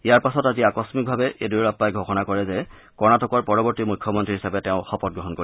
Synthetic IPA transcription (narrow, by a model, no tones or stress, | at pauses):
ijaɹpasɔtaziakɔsmik̚bʱabɛʔeduɹɹapːajɡʱoxɔnakɔɹɛzɛ | kɔɹnatɔkɔɹpɔɹɔbɔɹtimujkʰːɔmɔntɹiɦisabɛtɛʊ̃xɔpɔt̚ɡɹɔɦɔnkoi